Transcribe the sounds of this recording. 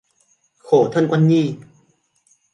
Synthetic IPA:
kʰoː˨˩˦t̪ʰɤ˧˥˨nkwa˧˨nɲiː˧˩˨

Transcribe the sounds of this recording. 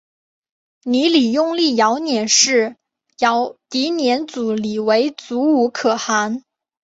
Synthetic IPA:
ni˧˥li˨˩jʊ˥˧ŋli˥˩jɑ˧˥ʊnjɛ˨˩nʂɻ̩˥˩ | jɑ˧˥ʊt̪i˧˥njɛ˧˥nt͡su˨˩li˨˩we˧˥ɪt͡su˧˥u˧˥kʰɤ˨˩xa˧˥n

